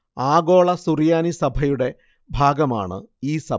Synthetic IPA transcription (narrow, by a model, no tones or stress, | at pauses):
aːɡo̞ːɭɐsurijaːnisɐbʱɐjuɽe̞ | bʱaːɡɐma̰ːɳɨ̰iːsɐ